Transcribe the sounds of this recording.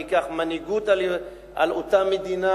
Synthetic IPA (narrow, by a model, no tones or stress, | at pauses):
ikaχmaniɡut̪a | a̰lot̪amed̪ina